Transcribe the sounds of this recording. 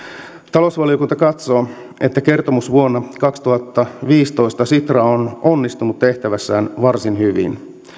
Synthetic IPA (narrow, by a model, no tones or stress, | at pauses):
t̪ɑlo̞sʋɑlio̞kunt̪ɑkɑt̪soː | e̞t̪ːæke̞rt̪o̞musʋuonːɑkɑkst̪uhɑt̪ːɑʋiːst̪o̞jst̪ɑsit̪rɑono̞nːist̪unut̪te̞ht̪æʋæsːæːnʋɑrsinhyʋḭn